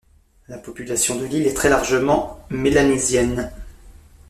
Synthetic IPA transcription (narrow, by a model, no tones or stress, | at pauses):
lapɔpylasjɔ̃d̪əlilɛt̪χɛlaʁʒəmɑ̃melanezjɛn